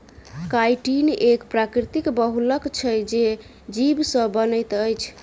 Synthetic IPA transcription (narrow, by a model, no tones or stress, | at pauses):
kajʈinekpɾakɾit̪ikbəɦuləkt͡ʃʰəd͡ʒe | d͡ʒibsə̃bənəjt̪əjt͡ʃʰ